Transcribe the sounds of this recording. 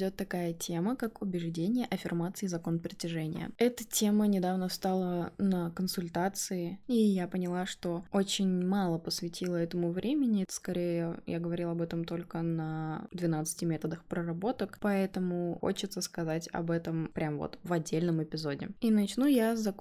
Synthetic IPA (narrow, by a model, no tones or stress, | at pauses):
dʲo̞t̪ːɐkajətʲe̞məkakʊbʲɪʐdʲenʲɪjəʔɐfʲɪrmat̪sɨɪzɐko̞npɾʲɪtʲɪʐɛnʲɪ̰jə̰ɛt̪ətʲe̞mənʲɪd̪avnəfst̪alˠənəkənsʊlʲt̪at̪sɨɪijapənʲɪlˠaʂt̪o̞ot͡ɕɪnʲmalˠəpəsvʲɪtʲilˠəɛt̪əmʊvɾʲʔemʲɪnʲɪskɐɾʲejəja̰ɡəvɐɾʲilˠɐbɛt̪əmt̪o̞lʲkənəd̪vʲɪnat̪sɨ̥tʲɪmʲet̪əd̪əxpɾərɐbo̞t̪əkpɐɛt̪əmʊxo̰t͡ɕɪt̪səskɐzatʲɐ̰bɛt̪əmpɾʲʔamvo̰t̪vɐdʲːelʲnəmɪpʲɪzo̞dʲɪ̰inɐt͡ɕnujazzɐk